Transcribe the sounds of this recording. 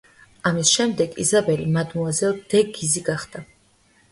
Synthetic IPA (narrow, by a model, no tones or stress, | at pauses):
amisʃɛmd̪ɛɡḭzabɛlimad̪muazɛd̪̥ɛɡiziɡaχd̪a